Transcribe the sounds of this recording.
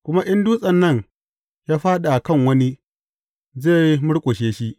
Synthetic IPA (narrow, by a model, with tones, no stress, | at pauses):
kʷʊ˦ma˦ʔɪ˦nduː˦sʼɐ˨nːɐ˦˨ɲ | jaː˦ɸaː˦ɗa˨ʔa˨kɐ˦˨ŋwɐ˦ni˦ | zeː˦˨ji˦mʊ˦ɽkʷʼo˨ʃeː˦ʃi˦ʔ